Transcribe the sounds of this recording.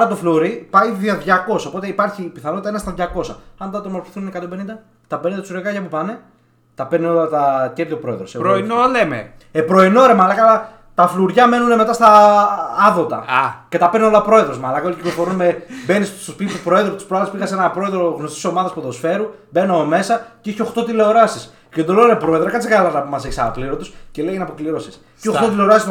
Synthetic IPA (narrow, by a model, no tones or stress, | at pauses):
ɐɾɐt̪ofluɾipɐiðɐðʝɐko̞sɐopo̞t̪eipɐɾçipiθɐnot̪ɐenɐst̪ɐðʝɐko̞sɐɐnt̪ɐt̪omo̞ɾfi̥θuninekɐt̪ombe̞nind̪ɐ | t̪ɐpe̞nind̪ɐt̪suɾekɐʝɐpupɐne̞ | t̪ɐpeneo̞lɐt̪ɐceɾt̪iopɾo̞e̞ðɾoseɾoinoleme | epɾo̞ino̞ɾemɐlɐkɐlɐ | t̪ɐfluɾʝɐme̞nune̞me̞t̪ɐst̪ɐː | ðo̞t̪ɐ̰ce̞t̪ɐpeɾno̞lɐpɾo̞eðɾo̞zmɐlɐkɐolici̥klofo̞ɾunmebe̞nissospit̪ip̪upɾo̞eðɾopt̪u̥spɾoɐðɐspiɣɐse̞nɐpɾo̞e̞ðɾo̞ɣno̞st̪i̥so̞mɐðɐspoðosfe̞ɾubenomeme̞sɐceiçeo̞xt̪o̞t̪ile̞oɾɐsis | ced̪oloɾepɾo̞eðɾɐkɐt̪t͡ssiɣɐlɐɾnɐpumɐseksɐnɐkliɾot̪usce̞lejinɐpo̞kliɾosis | içoxt̪ot̪ile̞o̞ɾɐsist̪